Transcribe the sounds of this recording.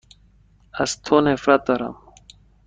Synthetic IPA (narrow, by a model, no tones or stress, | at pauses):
ɐst̪ʰonefɾat̪ɐɾa̰m